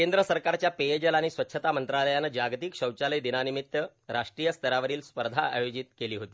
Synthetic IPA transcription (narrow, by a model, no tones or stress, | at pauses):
kend̪ɾəsəɾkaɾt͡ɕjapejed͡ʑəlaɽ̃isʋətːɕʰət̪amənt̪ɾaləjanːəd͡ʑaɡt̪ikɕəwt͡ɕaləjd̪inanimit̪ːə | ɾaʂʈɾijəst̪ʰəɾaʋəɾiːlspəɾd̪ʱaa̰jod͡ʑit̪keliːɦot̪iː